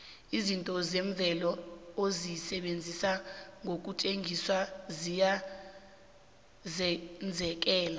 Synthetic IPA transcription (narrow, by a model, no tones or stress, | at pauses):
izintʼɔzɛɱb̪vʱɛlɔozisɛɓend͡zʱisaŋʱok̬ʼutʰʼeŋʱiswazija | zɛnd͡zʱɛk̬ʼɛːla